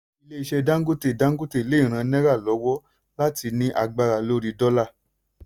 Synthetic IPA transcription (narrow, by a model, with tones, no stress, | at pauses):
i˧le˦i˧ʃɛ˧dã˦ŋ̩˦ɡo˦te˦˨dã˦ŋ̩˦ɡo˦te˦˨i˨le˦˨ɾ̃ã˧˦nɛ̃˦ɾa˦˨lɔ˨˦wɔ˦ | la˦ti˧nĩ˦ʔa˧ɡ͡ba˧ɾa˨lo˦ɾi˧dɔ˦la˦˨